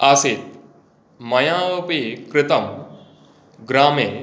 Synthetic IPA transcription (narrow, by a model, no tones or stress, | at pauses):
asit̪̚ | mɐjãːpikɾɪt̪ɐm | ɡɾaːmeː